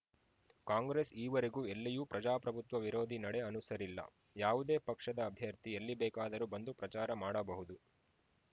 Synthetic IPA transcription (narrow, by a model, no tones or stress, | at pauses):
kaːŋɡɾeːsiːʋɐɾeɡuːelːijuːpɾɐd͡ʒaːpɾɐbʱut̪ʋɐʋiɾo̞ːd̪ʱinɐɽe̞ɐnusɐɾilːɐ̰ | jaːʋud̪e̞ːpɐkʂɐd̪ɐːbʱjɐɾt̪ielːibɛːkaːd̪ɐɾubɐnd̪upɾɐt͡ʃaːɾɐmaːɽɐbɐɦud̪u